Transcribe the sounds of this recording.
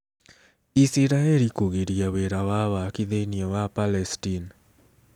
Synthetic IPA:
isiɾaelikuɣeɾijaweɾawawakiðeniɔwapalɛstin

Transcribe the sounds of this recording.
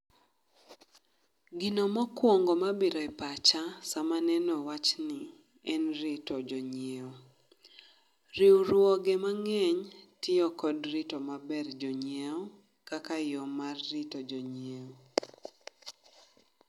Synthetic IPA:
ɡɪnomɔkwɔŋɡɔmabiɾɔɛpat͡ʃasamanɛnɔwat͡ʃnɪ | ɛnɾɪtɔd͡ʒɔɲieo | riwɾwɔɡemaŋɛɲtɪɔkɔdrɪtomabɛrd͡ʒɔɲieɔ | kakajɔmarːɪtod͡ʒɔɲeo

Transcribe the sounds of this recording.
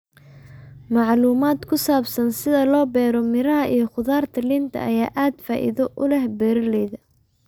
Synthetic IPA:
mɑʕluːmaːd̪kʰʊsaːbsɐnsɪðɐlɔːbɛːɾɔmɪɾɐɦɐʔijɞχʊðaːrt̪ʰɐlɪnt̪ʰɐ̰ɐjaːʔaːd̪faːʔḭðɔʔʊlɛhbɛːɾɐlɛjðɐ

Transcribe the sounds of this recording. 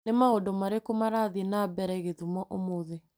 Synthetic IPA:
nemaodomaɾekomaɾaðinabɛɾɛɣeðumɔʔomoðe

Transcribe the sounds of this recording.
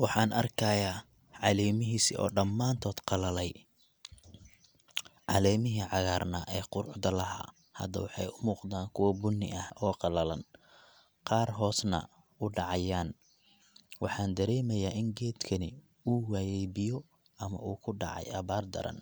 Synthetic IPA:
wɑħɑːnʔɐrkʰɐjaː | ʕɑlɛːmɪɦiːsiʔɔ̰ːɖɐmːaːnt̪ʰɔːd̪qɑlɐlɛj | ʕɑ̰lɛːmɪɦiʕɑɣaːrnɐʔɛːqʊɾʊħd̪ɐlɐɦa̰ː | hɐ̰d̪ɐwɑħɑ̰jʊmuːqd̪aːnkʰʊwɐbʊnːɪ̰ʔɐhɔːqɑlɐlɐ̰n | qɑːrɦɔːsnɐ̰ | ʊɖɑʕɑjaːn | wɑħɑːnd̪ɐɾɛːmɐjaːʔɪŋɡɛːd̪kʰɐnɪ | uːwaːjɛjbɪjɔ | ʔɐmɐ̰uːkʰʊɖɑ̰ʕɑ̰jʔɐβaːrd̪ɐ̰ɾɐ̰n

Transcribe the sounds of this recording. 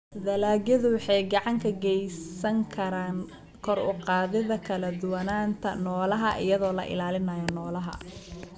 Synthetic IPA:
d̪ɐlaːɡjɐðʊwħɑjɡɑʕɑŋkʰɐɡɛjsɐŋkʰɐɾaːn | kʰɔrʊqɑːðɪðɐkʰɐlɐd̪ʊwɐnaːnt̪ʰɐnɔːlɐɦɐʔɪjɐðɔːlɐ̰ʔɪ̰laːlɪnɐjɔnɔːlɐɦɐ̰

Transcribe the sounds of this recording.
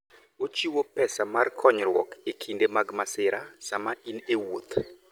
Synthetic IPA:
ot͡ʃiwopɛsamarkʰɔɲɾwɔ̰kekʰindemaɡmasɪɾasamainewot̪

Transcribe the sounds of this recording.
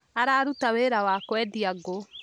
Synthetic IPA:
aɾaːɾutaweɾawaːkwɛdiaɡo

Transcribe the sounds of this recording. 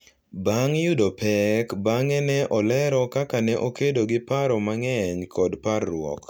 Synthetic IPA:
baŋjudopɛkbaŋɛnɛʔɔlɛɾɔkakanɛʔokedoɡɪpaɾɔmaŋɛɲkʰɔdparːwɔ̰k

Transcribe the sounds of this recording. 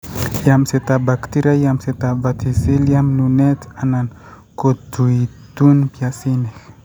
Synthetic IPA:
jamiset̪abakt̪iɾajamiset̪avat̪iseliaminunet̪anan | kod̪ui | d̪unipiasinek

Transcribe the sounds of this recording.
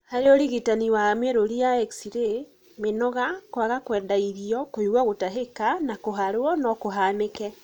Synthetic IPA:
haɾeoɾiɣitaniwameɾoɾiaɛksiɾe | menɔɣakwaɣakwɛːndaiɾiɔkoiɣwaɣotaɦekanakoɦaɾwɔnɔkoɦaːnekɛ

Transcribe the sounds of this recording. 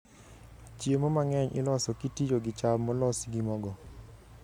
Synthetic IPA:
t͡ʃjemɔmaŋɛɲʔɪ̰lɔsɔkitid͡ʒoɡɪt͡ʃabmɔlɔsɡimɔɡɔ

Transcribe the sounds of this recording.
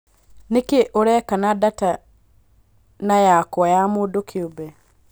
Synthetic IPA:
nekeʔoɾɛkanadata | najakwɔjamodokʰiobɛ

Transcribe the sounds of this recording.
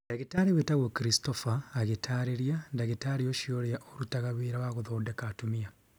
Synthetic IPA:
ndeɣitaɾiwetaɣokiɾistofaːɣetʰaɾeɾiandaɣetaɾioʃioɾeaʔoɾutaɣaβeːɾawaɣoðoːdɛkatumia

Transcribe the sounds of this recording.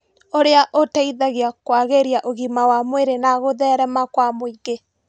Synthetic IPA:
oɾeaʔotaiðaɣeakwaɣeɾjaʔoɣimawamweɾenaɣoðɛɾɛmakwamoiɡe

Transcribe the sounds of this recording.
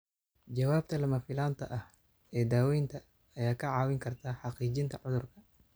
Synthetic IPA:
d͡ʒɐwaːb̚t̪ʰɐlɐmɐfɪlaːnt̪ʰɐʔɐh | ɛːd̪aːwɛjnt̪ʰɐː | jaːkʰɐʕɑːwɪŋkʰɐrt̪ʰaːħɑqiːt͡ʃɪnt̪ʰɐʕʊðʊrkʰɐ̥

